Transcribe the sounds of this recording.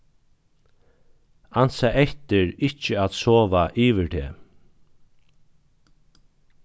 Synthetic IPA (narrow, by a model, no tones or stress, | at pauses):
ansaɛht̪ɪɹɪht͡ʃəat̪soːʋaʔiːʋɪɹt̪ʰɛ̰ː